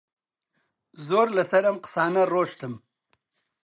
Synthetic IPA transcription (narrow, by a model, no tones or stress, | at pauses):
zoːɾlasɐɾɐmqsɑːnaɾoːʂt̪ʰəm